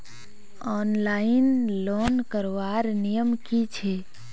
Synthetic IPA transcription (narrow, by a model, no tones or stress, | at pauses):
ɔnlaɪinlonkəɾʋaɾnijəmkit͡ʃʰe